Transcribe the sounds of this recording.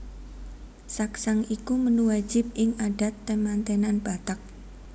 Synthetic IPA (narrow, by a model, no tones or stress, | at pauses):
saksaŋikumənuwḁd͡ʒʒ̥ɪp̚ʔɪŋaɖ̥a̤t̪ːəmant̪enanb̥at̪ak̚